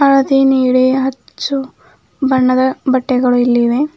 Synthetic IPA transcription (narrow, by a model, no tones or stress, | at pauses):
ɐɭɐt̪iniːɽiɦɐt͡ʃːu | bɐɳːɐd̪ɐbɐʈːɛɡɐɭuilːiʋe